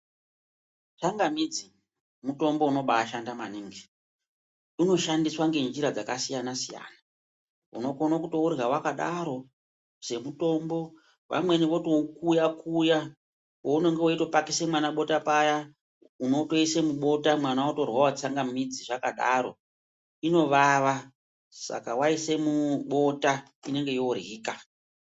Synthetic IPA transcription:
t͡saŋɡamid͡zi | muto̞mbo̞uno̞ɓaːʃandamaniŋɡi | uno̞ʃandiswaŋɡe̞nd͡ʒiɾad͡zakasijanasija̰ːna | ṵno̞ko̞nakutourɣawakaɗaɾo̞ | se̞muto̞mbo̞ | ʋa̰mwe̞niʋo̞toukujakuja | wouno̞ŋɡewoito̞pakisemwanaɓo̞tapaja | uno̞to̞ise̞muɓo̞tamwanawoto̞rwawat͡saŋɡamid͡ziʐakaɗaɾo̞̰ | ino̞ʋaʋa | sa̰kawaise̞muɓo̞ta | ine̞ŋɡe̞joriːka

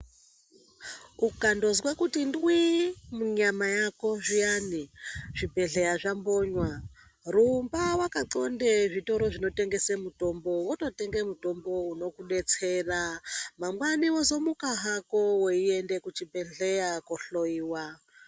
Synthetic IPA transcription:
ukando̞zwekutindwimuɲamajako̞ʐijaniʐ̥ibe̞ɮejaʐamboɲwa | rumbawakaǀo̞ndeʐito̞ɾo̞ʐino̞te̞ŋɡe̞semuto̞mbo̞woto̞teŋɡemuto̞mbo̞uno̞kuɗe̞t͡se̞ramamwaniwozo̞mukaɦakowoiendekut͡ʃibe̞ɮejakoɬoiːwa

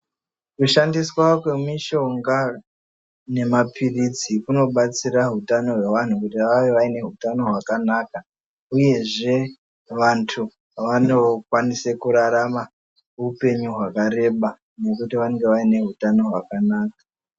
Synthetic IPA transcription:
kuʃandiswakwe̞miʃo̞ŋɡa | ne̞mapʰirid͡zikuno̞ɓat͡siraɦutano̞ɦwe̞ʋan̤ukutiʋaʋeʋaine̞ɦutano̞ɦwakanaːka | uje̞ʐe̞ | ʋantʰu | ʋano̞kwanisekuɾaɾama | ɦupe̞ɲuɦwakaɾe̞ɓa | ne̞kutiʋaneŋɡeʋaine̞ɦutano̞ɦwakanaːk̚a

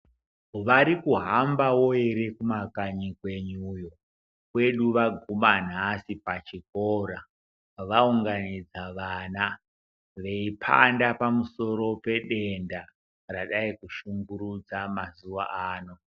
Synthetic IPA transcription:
ʋaɾikuɦambawo̞eɾekumakaɲikwe̞ɲujo | kwe̞ɗuʋaɡʱuman̤asipat͡ʃikoːɾa | ʋauŋɡanid͡zaʋana | ʋe̞ipʰa̰ndapamuso̞ɾo̞pe̞ɗe̞nda | raɗaikuʃuŋɡuɾud͡zamazuʋa̰ʔaːno̞

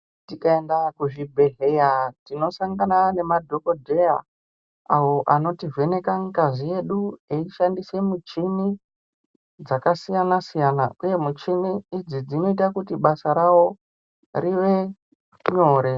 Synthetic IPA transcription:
tikaendakuʐibʱeɦejatino̞saŋɡanane̞madʱo̞ko̞dʱe̞ja | awoʔano̞tive̞ne̞kaŋkazije̞ɗueiʃandise̞mut͡ʃini | d͡zakasijanasijana̰uje̞mut͡ʃimiːd͡zid͡zino̞itakutiɓasaɾawo̞ | riʋe̞ | ɲo̞ːɾe̞

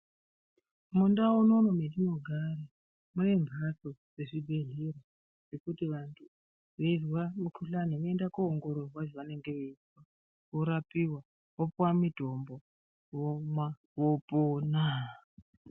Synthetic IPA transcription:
mundaunonomendino̞ɡʱaɾa | mune̞mbʱasod͡zeʐibʱe̞ɮiɾa | rekutiʋantʰu | ʋeirwamukʰuɬaniʋoendakoːŋɡo̞ɾorwaʐeʋane̞ŋɡe̞ʋeiswa | ʋoɾapiwa | ʋopwamidʱombo | womwa | wopona

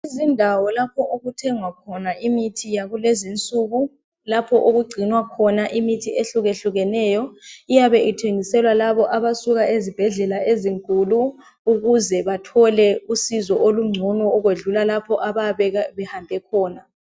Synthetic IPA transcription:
izindʱawɔlapʰɔʔoɣutʰɛŋwakʰɔnaʔimitʰijaɣulezint͡sʼuːɣu | lapʰɔʔoɣuɡ͡ǀʱinwakʰɔnaʔimitʰieɬuɣeɬuɣɛnɛːjɔijaβɛʔitʰeŋisɛlwalaβɔʔaβasuɣaʔezib̥ʱɛɮɛlaʔeziŋkʼuluː | ɣuzɛβatʰɔlɛusizɔʔoluŋ͡ǀʱɔnɔːɣweɮulalapʰɔʔaβaβɛɣaβɛhambʱɛkʰɔːna

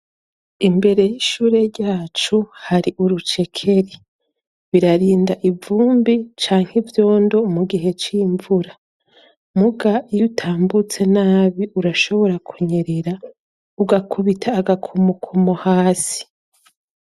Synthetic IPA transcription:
imbe̞ɾe̞jiʃuːɾe̞ɾɟaːt͡ʃuhaɾiʔuɾut͡ʃe̞kʰe̞ɾi | βiɾaɾiːndaʔivuːmbit͡ʃaːŋhivjo̞ːndo̞muɡiɦe̞t͡ʃiːɱvuɾa | muɡajutʰaːmbut͡se̞naːβiʔuɾaʃo̞βo̞ɾakʰuɲe̞ɾeɾa | uɡakʰuβitʰaːɡakʰomukʰomohaːsi̥

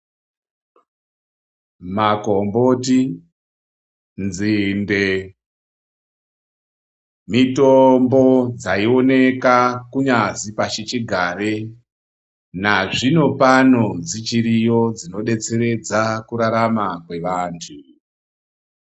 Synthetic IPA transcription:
makombo̞ti | nzinde | mitombo̞d͡zaio̞ne̞kakuɲazipat͡ʃit͡ʃiɡʱare | naʐino̞pano̞d͡zit͡ʃiɾijo̞d͡zino̞ɗe̞t͡se̞ɾe̞d͡zakuɾaɾamakwe̞ʋaːntʰu

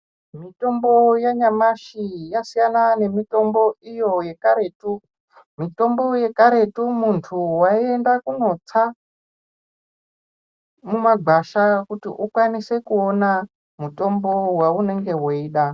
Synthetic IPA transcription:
mito̞mbo̞jaɲamaʃijasijanane̞mito̞mbo̞ijo̞je̞kaɾe̞tu | mito̞mbo̞je̞kaɾe̞tumuntʰuwaie̞ndakuno̞t͡sa | mumaɡʱwaʃakutḭʔukwanise̞kuona | muto̞mbo̞waune̞ŋɡe̞weiːɗa

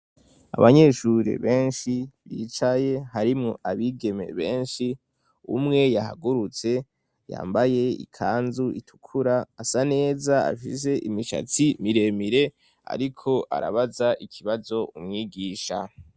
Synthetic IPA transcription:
a̰βaɲe̞ʃuɾḛβe̞ːnʃiβḭːt͡ʃajeɦaɾimŋo̰aβiɡe̞me̞̰βe̞ːnʃi | ṵmŋe̞jaɦa̰ɡuɾut͡se̞ | ja̰ːmbaje̞ḭkʰaːnzuʔitʰu̥kʰuɾaːsane̞ːzaa̰fḭze̞ʔimiʃa̰t͡simiɾe̞miɾe̞ | a̰ɾikʰo̞ʔa̰ɾa̰βazaʔikʰiβazo̞umŋiːɡiːʃa̰

